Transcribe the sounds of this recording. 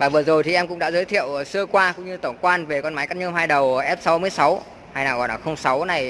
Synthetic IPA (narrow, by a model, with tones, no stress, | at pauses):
vaː˨˩vɨ˨˩əzo˨˩jt̪i˨˩ʔɛ˧mkʊ̰˧˥ŋ͡mɗa̰ː˧˥zəː˨˦jt̪ʰḭ˧˨ə˨wsɨ˧əkwaː˧kʊ̰˧˥ŋ͡mɲɨ˧t̪ə˧˩ŋ͡mkwaː˧nve˨˩kɔ˧nma˨˦jkaː˦˥ɲɨ˧mɦaː˧jɗə˨˩wʔɛ˦˥p̚sa˨˦wmɨ˧əjsa˨˦w | haː˧jna̰ː˧˩ɣɔ˨˩nʔaː˨˩xə˧wŋ͡msa˨˦wna˨˩j